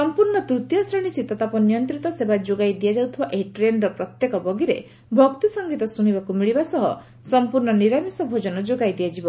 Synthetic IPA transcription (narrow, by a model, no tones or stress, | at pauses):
ssɔmpuɾɳɔt̪ɾut̪jɔsɾeɽ̃isit̪ɔt̪apɔnijɔnt̪ɾit̪ɔsebad͡ʒoɡajd̪ijad͡ʒawt̪ʰibaʔeiʈɾenɾɔpɾɔt̪jekɔbɔɡiɾe | bʱɔkt̪isɔŋɡit̪ɔsuɽ̃ibakumiɭibasɔɦɔ̰ | sɔmpuɾɳɔniɾamisɔbʱod͡ʒɔnɔd͡ʒoɡajd̪ijad͡ʒibɔ